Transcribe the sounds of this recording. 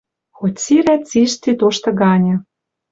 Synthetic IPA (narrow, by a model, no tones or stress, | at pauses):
xotʲsiɾæt̪t͡siʃt̪it̪oʃt̪ɤ̆ɡɑnʲɤ̆